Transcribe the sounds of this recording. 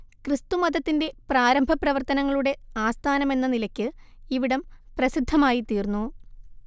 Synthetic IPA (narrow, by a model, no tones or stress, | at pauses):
krɨst̪umɐd̪ɐt̪ːinde̞praːɾɐmbʱɐprɐʋɐrt̪ɐnɐŋːɐɭuɽe̞aːst̪ʰaːnɐme̞nːɐnilɐkʲːɨ | iʋiɽɐmprɐsid̪ʱːɐmaːjit̪iːrnːu